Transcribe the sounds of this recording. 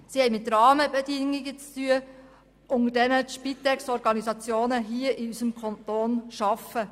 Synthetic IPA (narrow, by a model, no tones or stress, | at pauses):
sihɛɪmɪt̪ːɾɑːməbɛdɪŋːiɡət͡styə | ʔʊŋədɛnəʃpit̪ɛksɔɾɡɑnizɑt͡sjoːnəɦiəʔiysəmkʰɔnt̪oːnʃɑfə